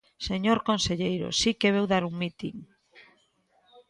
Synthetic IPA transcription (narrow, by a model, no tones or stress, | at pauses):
seɲoɾkonseʎejɾʊ̰sikeβewðaɾuŋmit̪iŋ